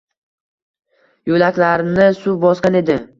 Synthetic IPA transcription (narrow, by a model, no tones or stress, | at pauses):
jolakʲlaɾnɪsʊbɒskʲane̞d̪ɪ